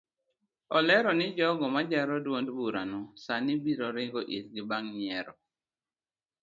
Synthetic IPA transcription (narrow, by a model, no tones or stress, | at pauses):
ɔlɛɾɔnɪd͡ʒɔɡɔmad͡ʒaɾɔdwondbuɾa̰nɔsanɪbiɾɔɾɪɡɔʔitɡɪbaŋɲɛɾɔ